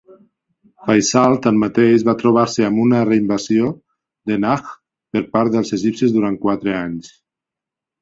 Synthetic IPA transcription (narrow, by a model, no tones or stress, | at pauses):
fajsalˠt̪anmat̪eʃβat̪ɾoβ̞aɾseamunəreimbazio | ðenax | pəɾpaɾt̪ðəlˠzeʒipsezðuɾankwat̪ɾeaɲs